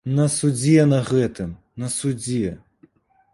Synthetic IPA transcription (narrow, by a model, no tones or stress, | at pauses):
nɐsud͡zʲɛnɐɣɛt̪ɨm | nɐsud͡zʲɛ